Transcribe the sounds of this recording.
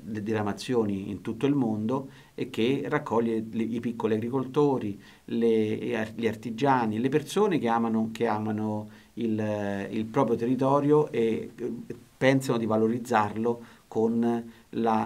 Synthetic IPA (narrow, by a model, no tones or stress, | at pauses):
led̪iɾamat̪sːjoːniḭnt̪ut̪ːoilmond̪o | ek̟ːerːakʰːɔʎːelipikːoliaɡɾikolt̪oːɾi | leʎiart̪id͡ʒaːnilepersoːnekeaːmanokeaːmano | ililpɾɔːpɾjot̪erːit̪ɔːɾjoʔe | pːɛnsanod̪ivaloɾid̪zːarlokon | la